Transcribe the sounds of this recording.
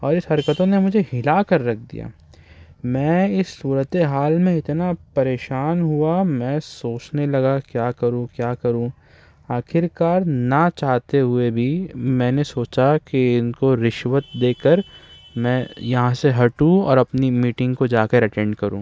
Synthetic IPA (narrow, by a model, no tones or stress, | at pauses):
ɔːɾɪsɦɐɾkət̪õnemʊd͡ʒʱehɪlakɐɾːɐk̚ʰd̪ḭja̰ː | mɛ̃ːɪsːuːɾət̪eɦaːlmẽɪt̪napɐɾeːʃaːnɦuamɛ̃ːsoːt͡ʃnelɐɡakjaːkɐɾũkjaːkɐɾũ | aːxʰɪɾkaːɾnat͡ʃaːɦt̪eɦʊebʱimɛ̃ːnesoːt͡ʃakeɪnkoɾɪʃʋət̪̚d̪eːkəɾmɛ̃ːjɐɦãseɦɐʈũɔ̰ːɾɐpnimiːʈɪ̃ŋɡkod͡ʒaːkəɾɐʈɛ̃ːɳɖkɐɾũː